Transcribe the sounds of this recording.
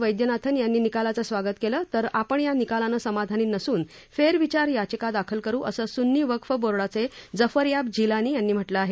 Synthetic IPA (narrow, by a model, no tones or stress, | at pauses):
ʋəjd̪jənat̪ʰənjanːiːnikalat͡səsʋaɡət̪keləːt̪əɾapəɳjanikalanəsəmad̪ʱaniːnəsuːn | feɾʋit͡ɕaɾjat͡ɕəkad̪akʰəlkəɾuːʔəsəːsunːiːʋəkʰfəboɾɭat͡sed͡zəfəɾjab̚d͡ʑilaniːjanːiːm̤əʈləaɦe